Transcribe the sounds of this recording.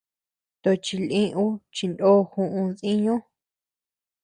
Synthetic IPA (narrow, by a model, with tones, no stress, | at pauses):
t̪o˧t͡ʃi˧lĩ˦ʔũ˦t͡ʃi˧nd̪o˦hũ˧ʔũ˧ðĩ˦ɲõ˦